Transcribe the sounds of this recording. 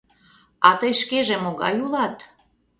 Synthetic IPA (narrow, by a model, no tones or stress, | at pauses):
ɑt̪əjʃkeʒemoɣɑ̰julɑt̪